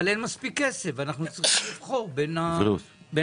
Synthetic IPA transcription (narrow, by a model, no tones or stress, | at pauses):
lenmaspikːesevanaχnut͡sʁiχimlivχo̞ʁbenau | be